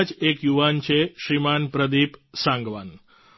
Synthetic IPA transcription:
d͡ʒekjuʋant͡ʃʰeʃɾimanpɾəd̪ipsãŋɡʋan

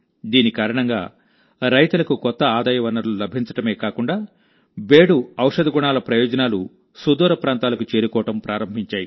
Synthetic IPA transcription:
d̪iːnikaːɾɐɳɐŋɡa̰ː | ɾɐjt̪ulɐkukɔt̪ːɐaːd̪aːjɐʋɐnːɐɾlulɐbʱiɲt͡ʃɐ̥ʈɐme̞ːkaːkuɳɖaː | beːɽuɐwʂɐd̪ɐɡuɳaːlɐpɾɐjɔːd͡ʒɐnaːlu | sud̪uːɾɐpɾaːnt̪aːlɐkut͡ʃe̞ːɾukɔːʋɐʈɐmpɾʔaːɾɐmbʱiɲt͡ʃaːji

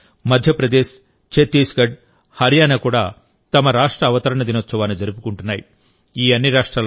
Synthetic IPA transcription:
mɐd̪ʱjɐpɾɐd̪eːʃ | t͡ʃet̪ːiːsɡɐɖ | hɐɾjaːnɐkuːɽa̰ː | t̪ɐmɐɾaːʂʈɾɐːʋɐt̪ɐɾɐɳɐd̪inɐt͡ʃːɐʋaːnid͡ʒɐɾupukuɳʈunːaːji | iːɐnːiɾaːʂʈɾaːl

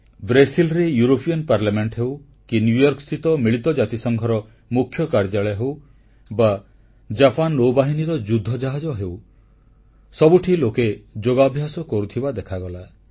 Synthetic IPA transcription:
bɾesilɾejuɾopiɔnpaɾlameɳʈɦew | kinjujɔɾksit̪ɔmiɭit̪ɔd͡ʒat̪isɔŋɡʱɔɾɔ | mukʰjɔkaɾd͡ʒaɭɔjɦew | ba | d͡ʒapanːowbaɦiniɾɔd͡ʒud̪ʱːɔd͡ʒaɦad͡ʒɔɦew | sɔbuʈʰiloked͡ʒoɡabʱjasɔkɔɾut̪ʰibad̪ekʰaɡɔla

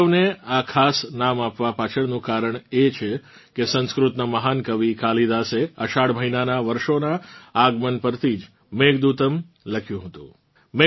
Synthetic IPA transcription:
əʋneakʰasnamapʋapat͡ʃʰəɽnũkaɾəɳet͡ʃʰe | kesə̃nskɾut̪naməɦankəʋikalid̪aseəʃaɽməɦinanaʋəɾʃonaːɡmənpəɾt̪ʰid͡ʒ | meɡd̪ut̪əm | ləkʰjũɦət̪ṵ̃ | me

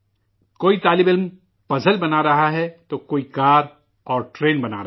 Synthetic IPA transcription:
koːit̪aːlɪbɪlm | pɐzəlbɐnaɾɐɦaɦɛt̪oːkoːikaːɾ | ɔːɾʈɾeːnbɐna̰ːɾɐ

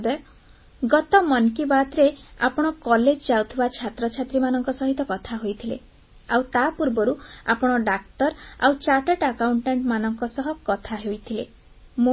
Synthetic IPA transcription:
d̪ɔj | ɡɔt̪ɔmɔnkibat̪ɾea̰pɔɽ̃ɔkɔled͡ʒd͡ʒawt̪ʰibat͡ʃʰat̪ɾɔt͡ʃʰat̪ɾimanɔŋkɔsɔɦit̪ɔkɔt̪ʰaɦojt̪ʰilḛ | awt̪apuɾbɔɾua̰pɔɽ̃ɔɖak̚ʈɔɾa̰wt͡ʃaʈeʈakawuɳʈeɳʈmanɔŋkɔsɔɦɔkɔt̪ʰaɦojt̪ʰilḛ | mo

